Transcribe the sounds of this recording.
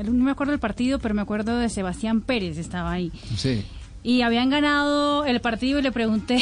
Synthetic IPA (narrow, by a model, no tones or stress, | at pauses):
nomeakweðoelpaɾt̪iðo̞pe̞ɾo̞meakwe̞ɾðo̞ðese̞βast̪jampe̞ɾe̞se̞st̪aβaːi | si | iaβiaŋɡanaðoe̞lpaɾt̪iðoile̞pɾe̞ɣunt̪e